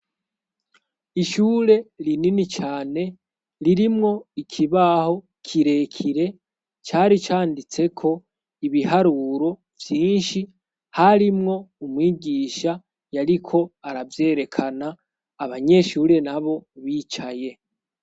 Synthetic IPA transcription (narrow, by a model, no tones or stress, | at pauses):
iʃuːɾe̞ɾininit͡ʃaːne̞ | ɾiɾimŋo̞ikʰiβaho̞ | kʰiɾe̞kʰiɾe̞ | t͡ʃaːɾit͡ʃaːndit͡se̞kʰo̞ | iβiɦaɾuːɾo̞ | vjiːnʃi | haɾimŋo̞umwiːɟiːʃa | jaɾikʰo̞aɾavje̞ːɾe̞kʰanaː | βaɲe̞ʃuːɾe̞naβo̞βiːt͡ʃaje̞